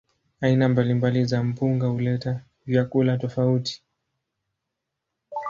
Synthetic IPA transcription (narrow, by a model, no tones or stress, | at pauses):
ainambalimbalizam̩puŋɡahulɛta | vjakulatɔfauti̥